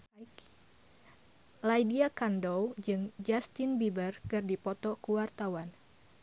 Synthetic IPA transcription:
lajdiakandowd͡ʒɨŋd͡ʒast̪ɪnbibərkɨrdipɔt̪ɔkuwart̪awan

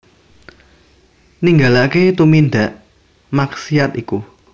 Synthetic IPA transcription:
niŋɡalaket̪umind̪a̤ʔ | maksiat̪iku

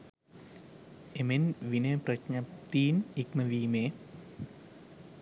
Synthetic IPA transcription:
emenʋineprɐkɲɐpt̪iːnikmɐʋiːmeː

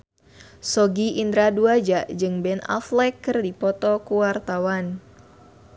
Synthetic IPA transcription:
sɔɡiʔind̪ɾaduad͡ʒaʔd͡ʒɨŋbɛna̰flɛkːɨrdipɔt̪ɔkuwart̪awan

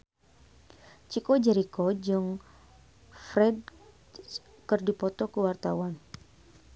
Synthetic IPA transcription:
t͡ʃikɔd͡ʒɛɾikɔd͡ʒɨŋ | fɾɛd̚ | kɨrdipɔt̪ɔkəwart̪awan

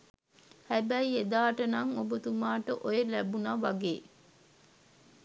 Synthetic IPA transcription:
hæbæied̪aːʈənɐŋobət̪umaːʈəʔojelæbunɐʋaɡeː

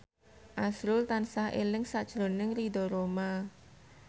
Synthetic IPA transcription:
ʔasɾʊlt̪ansahʔḛlɪŋsaʔd̥ʒ̥ɾonɪŋrid̪ɔɾoma

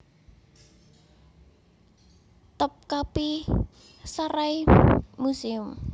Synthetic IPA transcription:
t̪əp̚kapi | saɾaimusiʊm

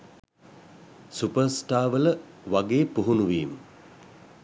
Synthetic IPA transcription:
supəɾsʈaːʋələʋaɡeːpuɦunuʋiːmə

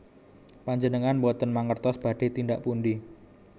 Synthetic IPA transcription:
paɲd͡ʒənəŋanbɔt̪ənmaŋərt̪ɔsb̥a̤ɖ̥e̤t̪indaʔpunɖi

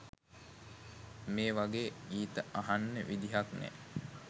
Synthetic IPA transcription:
meːʋaɡeːɡiːt̪əʔaɦanːəʋʔid̪iɦaknɛ̰

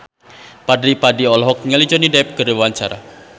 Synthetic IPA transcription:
padɾipadiɔlɦɔk̚ɲəlid͡ʒɔnidɛp̚kəriwaɲt͡ʃaɾa̰

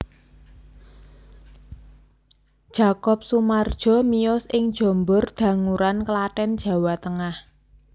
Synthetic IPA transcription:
d̥ʒ̥a̤kɔp̚sumard̥ʒ̥ɔ̤miɔsɪŋd̥ʒ̥ɔ̤mbʊrd̪̥ä̤ŋuɾankəlaʈɛnd̥ʒ̥ä̤wat̪əŋah

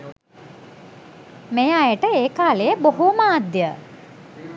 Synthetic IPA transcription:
mejajəʈəeːkaːlejəboɦomaːd̪jə

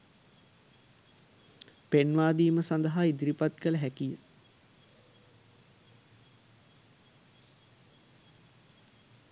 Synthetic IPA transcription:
penʋaːd̪iːməsand̪əɦaːid̪iɾipat̪kələɦækijə

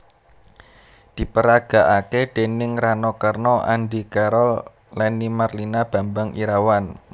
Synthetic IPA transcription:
d̪̥i̤pəɾaɡ̥a̤ʔakeɖ̪̥e̤nɪŋranɔkarnɔʔa̰nɖikaɾɔlː | ɛnimarlinab̥a̤mbaŋḭɾawan

